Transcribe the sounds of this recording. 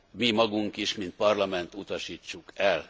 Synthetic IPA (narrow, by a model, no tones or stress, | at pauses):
mimɒɡuŋkiʃmint̪̚pɒrlɒmɛnt̪ut̪ɒʃiːt͡ʃːukɛl